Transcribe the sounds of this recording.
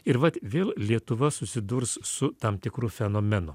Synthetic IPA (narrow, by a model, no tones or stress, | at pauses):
ɪɾʋɐt̪ʋʲeːlˠlʲiɛt̪ʊʋɐsʊsʲɪd̪ʊɾssʊt̪ɐmt̪ʲɪkɾʊfʲɛnoːmʲɛnʊ